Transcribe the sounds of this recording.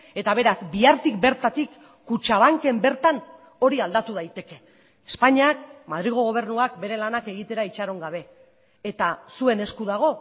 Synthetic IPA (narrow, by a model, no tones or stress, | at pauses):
e̞t̪aβ̞e̞ɾazbiaɾt̪ikbe̞ɾt̪at̪ikː | ut͡ʃaβ̞aŋke̞mbe̞ɾt̪an | o̞ɾiald̪at̪uð̞ajt̪e̞ke̞ː | spaɲiak̚maðɾiɣ̞o̞ɣ̞o̞β̞e̞ɾnuakbe̞ɾe̞lanake̞ɣ̞it̪eɾait͡ʃaɾo̞ŋɡaβ̞e̞ː | t̪asue̞ne̞skuðaɣ̞o̞